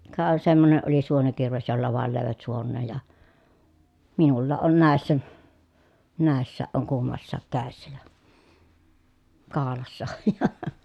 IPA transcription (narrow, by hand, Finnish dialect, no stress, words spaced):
kɑˑ semːone ʔoli suonikirʋes jolːɑ ʋɑˑel løˑeʋæt suonːeːj jɑ minulːɑːʔ ʔon næˑesːæ næˑesːsæːʔ ʔoŋ kumːɑsːɑːk kæˑesːæ jɑ kɑːlɑsːɑ oj jɑ